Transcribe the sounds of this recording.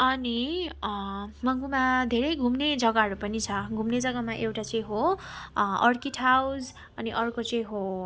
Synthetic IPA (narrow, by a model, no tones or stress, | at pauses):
ʌni | mʌŋɡumad̪ʱeɾʌjɡʱumned͡zʌɡaɦʌɾupʌnit͡sʰʌɡʱumned͡zʌɡamaʔewʈat͡sʌĩɦo | ʌrkiʈʰawd͡z | ʌniʔʌrkot͡sʌ̃ĩɦo